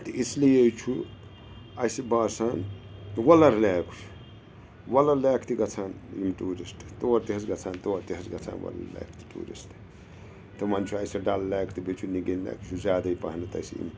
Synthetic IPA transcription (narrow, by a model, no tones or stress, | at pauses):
t̪ɨʔislijet͡ʃʰu | ɐjsibaːsaːnwɐlɐɾlaːkʰt͡ʃʰu̥ | wɐlɐlaːkʰt̪iɡɐt͡sʰaːnjḭmʈuːɾisʈ̪t̪oːɾt̪iɦɐsɡɐt͡sʰaːnt̪oːɾt̪iɦɐsɡɐt͡sʰa̰ːnʋwɐ̰lɐ̰lḛːkʰt̪ʰi̥ʈṵːɾḭst̪ | t̪ɨmɐnt͡ʃʰuɐjsɐɖɐlːaːkʰt̪ibet͡ʃʰuniɡinlḛːkʰt͡ʃʰuzʲjaːd̪ɐipɐ̰ɦnɐt̪ɐ̰siḭm